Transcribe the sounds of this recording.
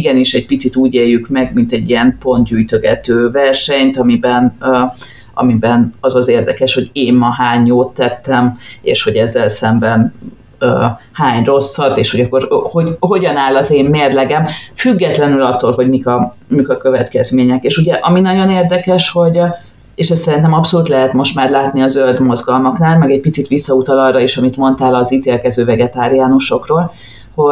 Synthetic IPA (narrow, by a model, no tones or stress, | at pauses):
iɡɛniʃɛɟ̚pit̪sit̪uːɟeːjːykmɛɡmint̪ɛɟːiɛmpo̞ntd̪ɟyːjt̪øɡɛ̰t̪øːvɛrʃɛɲt̪ɒmibɛn | ʔɒ̰mibɛnɒzɒzeːrd̪ɛkɛʃho̞ɟeːmmɒɦaːɲjoːt̪ːɛt̪ːɛmḛːʃho̞ɟɛzːɛlsɛmbɛn | øː | haːɲro̞sːɒt̪eːʃhoɟɒkːorhoɦo̞ɟɒnaːlɒzeːmːeːrlɛɡɛmfyɡːɛt̪lɛnylɒt̪ːoːlɦo̞ɟmikɒ | mikɒkø̞vɛt̪kɛzmeːɲɛkeːʃuɟɛʔɒminɒɟo̞neːrd̪ɛkɛʃho̞ɟ | eːʃɛst̪sɛɾint̪ɛmɒpso̞luːt̪lɛɦɛt̪mo̞ʃt̪maːrlaːt̪niɒzøld̪mo̞zɡɒlmɒknaːlmɛɡɛɟ̚pit̪sit̪ʋisːɒut̪ɒlɒrːɒiʃɒmit̪mo̞nt̪aːlɒzit̪eːlkɛzøːvɛɡɛt̪aːɾiaːnuʃo̞kroːl | ho̞